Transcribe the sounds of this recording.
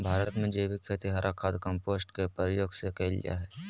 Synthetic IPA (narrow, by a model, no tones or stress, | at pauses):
bʱaːɾəət̪mẽd͡ʒeːbɪkkʰet̪iɦɐɾʔakʰaːd̪kə̃mpoːsʈkepəɾjoːɡsekelḭja̰ɦɛː